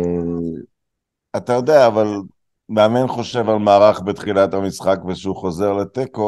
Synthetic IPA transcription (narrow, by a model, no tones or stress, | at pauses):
e | at̪ajo̞d̪eaːval | meamenχo̞ʃe̞valmaːʁaχbet̪χilat̪hamisχakveʃeuχo̞ze̞ʁlet̪eko